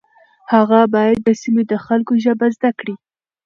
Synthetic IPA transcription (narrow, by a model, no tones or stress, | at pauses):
haɣabɑjad̪̚ːəsimed̪əxalkoʒəbazd̪akɽi